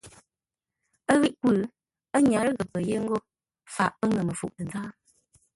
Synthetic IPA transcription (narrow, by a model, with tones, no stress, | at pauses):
ə˦ɣi˦ʔku˦˨l | ə˦ɲa˨ɾə˦ɡə˨pə˨je˦ŋ̩˦ɡo˦ | fa̰˨ʔpə˦ŋə˨mə˨fṵ˨ʔlə˨d͡zaː˦